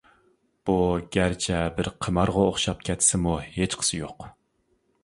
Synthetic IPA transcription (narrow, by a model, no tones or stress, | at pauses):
b̥uɡʲæɾt͡ʃʰɛbɪɾqʰəmɑɾʁɑoχʃɑp̚kʲʰɛt̪ʰːsɪmuhet͡ʃqʰə̥sɨjoq